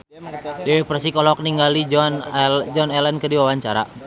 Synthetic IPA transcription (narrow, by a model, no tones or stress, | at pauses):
dɛɛprsikɔlɔk̚niŋɡalid͡ʒnd͡ʒɔnɛlɛnkərdiwawaɲt͡ʃaɾa̰